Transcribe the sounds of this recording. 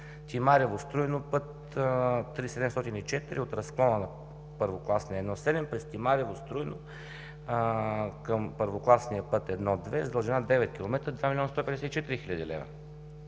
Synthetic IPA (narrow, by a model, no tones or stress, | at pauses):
t̪imaɾɛvost̪ɾujnopɤt̪ː | ɾisɛd̪ɛmst̪ɔt̪init͡ʃɛt̪iɾiot̪ɾɐsklˠɔnənɐ | pəɾvoklˠasnɛːd̪nɔsɛd̪ɛmpɾɛst̪ʲimaɾɛvost̪ɾujno | kəmpəɾvoklˠasniəpɤt̪ɛd̪nɔd̪vɛzd̪əlˠʒɛnad̪ɛvɛt̪̚kʲilˠomɛt̪ɾəd̪vamilʲɔnəst̪ɔpɛd̪ɛsɛit͡ʃɛt̪iɾixiʎʲəd̪ilɛ̰vɐ̰